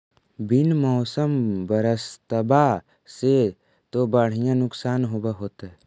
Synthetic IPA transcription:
bɪnmɔːsəmbəɾəst̪əba | se | t̪obəɽ̤ijãnʊksaːnɦobaɦoːt̪aɦɛ

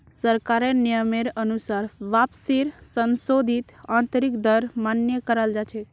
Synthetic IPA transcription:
səɾkaɾenijəmeɾənusaɾʋapsiɾsənsod̪ʱit̪ãnt̪əɾikd̪əɾmanjəkəɾald͡ʒat͡ʃʰe

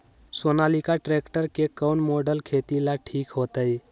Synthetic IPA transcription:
sonalikaʈɾekʈəɾkekəwnmoɖəlkʰet̪ilaʈʰikɦot̪əj

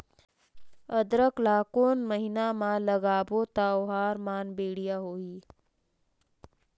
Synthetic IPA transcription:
əd̪ɾəklaːkoːnməɦɪnamãləɡaːbot̪aːoɦaːɾmaːnbeːɽijaɦoːiː

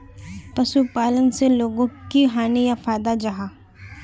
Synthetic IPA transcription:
pɐsupaːlənseloːɡõkiɦaːnijafaːjd̪ad͡ʒaɦaː

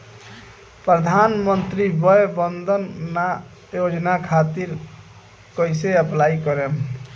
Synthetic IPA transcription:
pɾəd̪ʱanmənt̪ɾibəjebənd̪ʱənːa | jod͡ʒnakʰat̪iɾ | kəjseəplaikəɾem

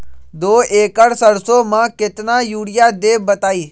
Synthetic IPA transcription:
d̪oːeːkəɽsəɽsõːmãːkɪt̪naːjuːɽɪjaːd̪eːbət̪aːiː

